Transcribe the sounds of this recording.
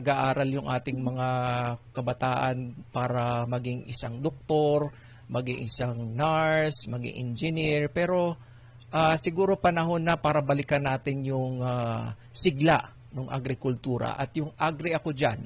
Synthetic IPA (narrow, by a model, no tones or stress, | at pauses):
ɐɡaʔaːɾɐljʊŋʔaːt̪ɪŋmɐŋakɐbɐt̪aːʔɐnpaːɾɐmɐɡɪŋʔɪ̰saŋd̪ok̚t̪o̞ɾ | mɐɡɪŋʔɪsaŋnaɹsmɐɡḭŋʔɪnd͡ʒɪniɹpɛːɾo̞ | ʔasɪɡuːɾo̞pɐnɐɦo̞nːɐpaːɾɐbɐlɪkɐnːaːt̪ɪnjʊŋa | sɪɡlaʔ | noŋʔɐ̰ɡɾɪkʊlt̪uːɾɐ̰ʔɐt̪jʊŋʔaɡɾɪʔɐko̞d͡ʒan